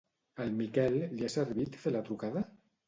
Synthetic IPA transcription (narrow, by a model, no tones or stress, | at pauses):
almikɛlːiaseɾβit̪θelat̪ɾukaða